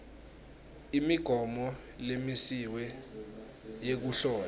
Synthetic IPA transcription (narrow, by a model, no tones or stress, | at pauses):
imiɡ̥ʱɔmɔ | lemisiwɛ | jek̬uɬɔːla